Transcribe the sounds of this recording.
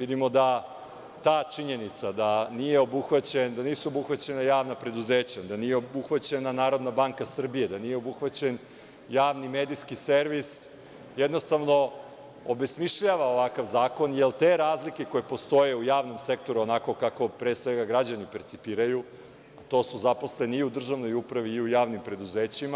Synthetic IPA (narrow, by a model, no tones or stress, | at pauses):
ʋid̪imo̞d̪a | t̪aːt͡ʂiɲe̞nit̪sad̪anije̞obuxʋat͡ɕend̪aniːsuobuxʋat͡ɕe̞najaːʋnapɾe̞d̪uzeːt͡ɕad̪anijeobuxʋat͡ɕe̞nanaːɾo̞d̪nabaŋkasr̩bijed̪anije̞obuxʋat͡ɕe̞n | jaːʋnimed̪iskiseɾʋis | jed̪no̞st̪aʋno̞ | obe̞smiʃʎaʋaoʋakaʋzaːko̞njelˠt̪eːɾaːzlike̞ko̞jepo̞st̪o̞jeujaːʋno̞mse̞k̚t̪o̞ɾuonako̞kako̞pɾe̞sʋe̞ɡaɡɾad͡ʑanipeɾt̪sipiːɾaju | at̪o̞ːsuzapo̞sleneiud̪r̩ʒaʋno̞jupɾaʋiːujaːʋnimpɾe̞d̪uzeːt͡ɕima